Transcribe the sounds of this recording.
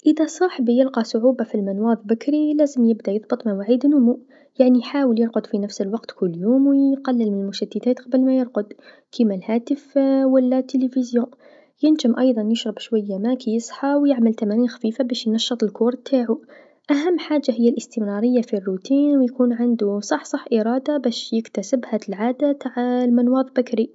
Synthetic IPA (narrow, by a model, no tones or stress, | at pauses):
ʔəðæsˤɑħbijəlqɑsʊʕuːbafilmɪnwɑːðˤbakɾilæːzəmjɪbd̪ajɨðˤbɨt̪ˤmɪnwaʕiːd̪nʊmu | jaʕnijħaːwəljəɾqʊd̪finæfsəlwɑqt̪kʰʊlːjuːmwqɑlːəlmɪnlmʊʃæd̪ːəd̪æːt̪qɑbəlmæjəɾˤqʊd̪ | kʰimælhæːt̪əfwælːat̪ːəlifizjõː | jɪnd͡ʒɪmʔɑjðˤɑnjɪʃɾˤɑbʃwajːamakijɨsˤħɑwjɪʕmalt̪amæːniːnxḁfiːfabæːʃjnɑʃːɨt̪ˤɪlkuːɾˤt̪ʰːaːʕu | ʔaɦamːħaːd͡ʒːaɦɪjːalʔɪst̪ɪmɾˤɑɾɪjːafirːut̪iːnwjkuːnʕɪnd̪usˤɑħːsˤɑħːʔɪɾˤɑːd̪abæːʃjɪkt̪æsɪbhalʕaːd̪at̪aʕlmanwɑːðˤbakɾi